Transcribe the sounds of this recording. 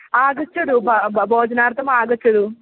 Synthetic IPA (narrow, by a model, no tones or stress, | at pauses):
aːɡɐt͡ʃːɐɽubbʱoːd͡ʒɐnaːɾt̪ɐmaːɡɐt͡ʃːɐɽu